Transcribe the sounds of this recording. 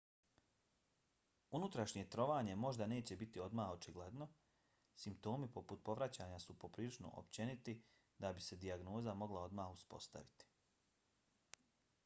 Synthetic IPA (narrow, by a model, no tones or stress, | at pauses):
unut̪ɾaʃɲe̞t̪ɾo̞ʋaːɲe̞mo̞ʒd̪ane̞ːt͡ɕe̞bit̪io̞d̪maːxo̞t͡ʃiɡled̪no̞ | simpt̪o̞ːmipo̞put̪̚po̞ʋɾat͡ɕaːɲasupo̞pɾiːlˠit͡ʃno̰ʔo̰pt͡ɕe̞nit̪i | d̪abise̞d̪iaɡno̞ːzamo̞ɡlˠao̞d̪maːxuspo̞̰st̪a̰ʋit̪i̥